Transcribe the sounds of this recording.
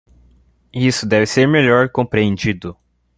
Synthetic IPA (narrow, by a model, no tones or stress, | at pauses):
isʊd̪ɛvɪseɾmeʎɔɾkõpɾiẽnd͡ʒid̪ʊ